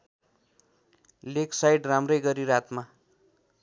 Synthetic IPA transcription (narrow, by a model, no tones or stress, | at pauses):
leksajɖramrʌjɡʌɾiɾat̪ma